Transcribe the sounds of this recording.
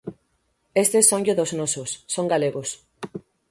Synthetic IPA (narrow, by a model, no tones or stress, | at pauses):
est̪esːõŋʎoðoznɔsosːoŋɡaleɣos